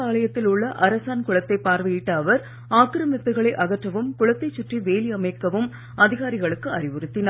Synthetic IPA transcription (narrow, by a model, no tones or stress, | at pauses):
aːɭɐjɐt̪ːɪlʊɭːɐʔɐɾɐsaːnkʊɭɐt̪ːɐɪpːaːɾʋɐjɪʈːɐːʋɐɾ | aːkɾɐmɪt̪ːɯɣɐɭɐɪʔɐɣɐʈrɐʋɯmkʊɭɐt̪ːɐɪt͡ʃːʊʈriʋeːlɪɐmɐɪkːɐʋɯm | ɐðɪɣaːɾɪɣɐɭɯkːɯɐrɪʋɯɾɯt̪ːɪnɐ